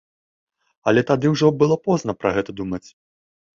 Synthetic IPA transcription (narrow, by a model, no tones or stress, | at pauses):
ɐlʲɛt̪ad̪ɨwʐɔbɨlˠɔpɔznɐpɾɐɣɛt̪ɐd̪umɐt͡sʲ